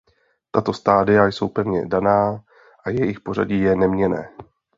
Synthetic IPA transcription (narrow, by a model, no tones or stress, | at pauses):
t̪at̪o̞st̪aːdɪjajso̞wpɛvɲɛ̰danaː | ʔajɛjɪxpo̞ra̰ɟiːjɛnɛmɲɛnɛ̰ː